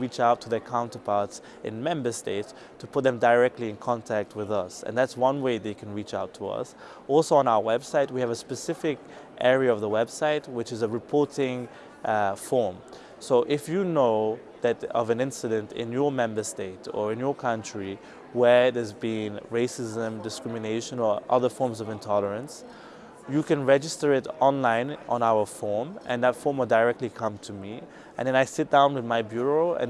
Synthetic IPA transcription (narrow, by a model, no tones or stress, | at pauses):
ɹit͡ʃaʊtʰəðəkʰãʊ̃ntəpʰaɹts | ʔɨ̰̃nmɛ̃mbə˞steɪts | tʰəpʰʊt̪̚ðɨ̃mdaɪɹɛk̚tˡliɨ̃nkʰɑ̃ntʰæk̚t̚wɪðʌsɨ̰̃nðætswʌ̃nweɪðeɪkʰɨ̃nɹit͡ʃaʊtʰəʌ̰s | ɔlˠsoʊə̃naʊə˞wɛb̥saɪt̚wiɨvəspɨsɪfɪk | ʔɛɹiəʌvðəwɛb̥saɪt̚wɨt͡ʃɨzəɹɨpʰɔɹɾɪ̃ŋ | fɔɹm | soʊʔɪfjɨnoʊ | ðɨɾʌ̰vɨ̃nɪ̃nsɨɾɨ̃ntɪ̰̃njə˞mɛ̃mbə˞steɪtə̰˞ɨ̃njə˞kʰʌ̃nt͡ʃɹ̥i | wə˞ðɛzbĩnɹeɪsɪzə̃mdɨskɹɪmɨneɪʃə̃nə˞ʔʌ̰ðə˞fɔɹmzʌvɨ̃ntʰɔlˠəɹə̃ns | jɨkɨ̃nɹɛd͡ʒɨstə˞ɪɾʔɔ̃nlãɪ̃nə̰̃naʊə˞fɔɹmʔɨ̰̃nðətfɔɹmwəlˠdaɹɛk̚tˡlikʰʌ̃mtʰɨmi | ʔɨ̰̃nðɛ̃naɪsɪt̚d̥ãʊ̃nwɨðmaɪbjuɹoʊɨ̰̃n